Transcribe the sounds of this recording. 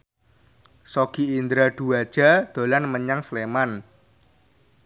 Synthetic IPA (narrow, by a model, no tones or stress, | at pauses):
sɔɡ̥iind̪ɾaɖ̪̥uad̥ʒ̥a̤d̪̥o̤lanməɲaŋsleman